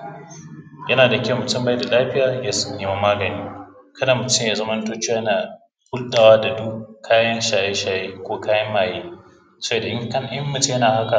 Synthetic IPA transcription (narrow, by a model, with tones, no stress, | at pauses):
jɐ˦naː˨dɐ˨kʲe˨mʊ˨tʊ˦mba˦jda˨laː˦ɸɪ˦jaː˨jaː˦sʊ̥˦nːeː˨ma˦maː˦ɡɐ˨niː˦ | kɐ˦da˨mʊ˨tʊ˦mjaː˨zɐ˦mɐ˦ntoː˦t͡ʃːaː˦ɐ˦naː˨ | hʊ˦lɗaː˨waː˦da˨du˦kʰaː˦jɐ˦nʃaː˨je˦ʃaː˨jeː˦kʷoː˦kaː˦jɐ˦mːaː˨jeː˦ | sɐ˦eː˨da˨ʔɪ˦ŋ˦kɐ˦ŋʔɪ˦mːʊ˨ti˦jɐ˦naː˨ha˦ka˨